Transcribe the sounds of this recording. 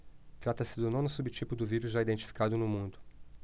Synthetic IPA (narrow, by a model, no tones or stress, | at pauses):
t̪ɾat̪ɐsɪd̪ʊnõnʊsubɪt͡ʃipʊd̪ʊviɾʊzʒaid̪ẽnt͡ʃi̥fi̥kad̪ʊnʊmũnd̪ʊ